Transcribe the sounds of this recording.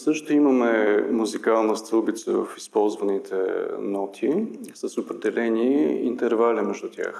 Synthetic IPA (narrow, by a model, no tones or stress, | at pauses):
sɤʃt̪ʊimɐmɛmuzikalˠnəst̪ɤlˠbit̪sə̰və̰fispɔlˠzvənit̪ʰɛ̰nɔt̪ʰisɐsopɾɛd̪ɛlɛniint̪ɛɾvalimɛʒd̪ʊt̪ʲja̰x